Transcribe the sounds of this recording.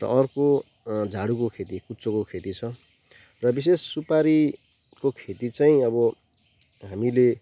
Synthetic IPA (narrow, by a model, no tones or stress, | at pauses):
rʌ̰ʔʌrko | d͡zʱaɽukokʰet̪ikut͡sokokʰet̪it͡sʰʌ | rʌbis̬esːupaɾi | kokʰet̪it͡saĩʌbʌ | ɦamile